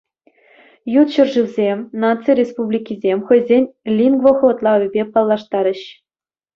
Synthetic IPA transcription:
jut̪ɕɤ̆rʐɯwʲzʲemʲnɑt̪t͡siɾʲespublʲikʲizʲemʲxɤ̆jzʲenʲlʲinɡvɤ̆xɤ̆ʋɤ̆t̪lˠɑvʲɘ̆bʲepɑlˠːɑʂt̪ɑɾʲə̆ɕ

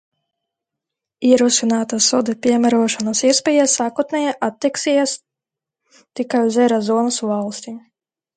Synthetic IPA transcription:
iɛɾusinaːt̪asɔd̪ɛpʲiɛmʲæɾuɔʃanasiɛspʲɛjasaːkuɔt̪nɛjaʔat̪ʲːiksijɛs | t̪ikajuzɛɾɔzɔɔnasvalˠsʲt̪ʲi

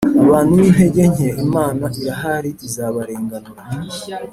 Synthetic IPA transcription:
aβaːn̥uwiβe̞ɟe̞ɲeimaːnaʔiɾaɦaɾiizaβaɾeːŋɡanoɾ

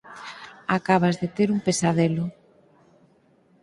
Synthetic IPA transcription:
akaβazðet̪eɾumpesaðelʊ

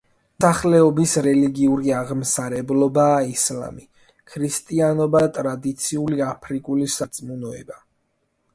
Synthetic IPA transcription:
saχlɛɔbisɾɛliɡiuɾiaʁmsaɾɛblɔbaːisla̰mi | kʰɾist̪ʼianɔbat̪ʼɾad̪it̪sʰiuliapʰɾikʼulisat̪sʼmunɔɛ̰ba

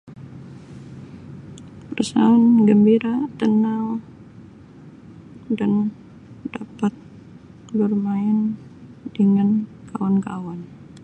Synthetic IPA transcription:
pərsa̰ːnɡəmbiɾat̪ənaŋ | dan | dapat̪̚ | bərmaɪn | dəŋankawankawan

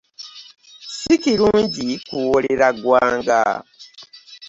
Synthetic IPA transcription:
sikiɾuːɲɟikuwoleɾaɡwaːŋɡa̰

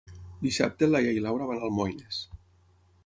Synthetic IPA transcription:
d̪isa̰p̚t̪elajejlawɾaβanalˠmojnes

